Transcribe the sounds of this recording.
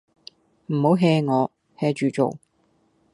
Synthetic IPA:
m̩˨˩ho˨˥wɦɛː˧ŋɔː˨˧ | hɛː˧t͡ʃyː˨t͡ʃo̰˨w

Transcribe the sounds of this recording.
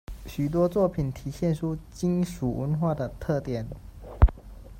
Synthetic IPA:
ɕy˨˩t̪̬wɔ˥t͡swɔ˥˩pʰi˨˩nt̪ʰi˨˥ɕjɛ˥˨nʈ͡ʂʰu˦t͡ɕi˦˥nʂu˨˩wə˧˥nxwa˥˩d̪ə˩t̪ʰɤ˥˨t̪jɛ˨˩˦n

